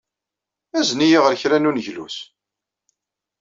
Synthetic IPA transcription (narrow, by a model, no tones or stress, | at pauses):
æznijiʁəɾçɾænunəʝlṵs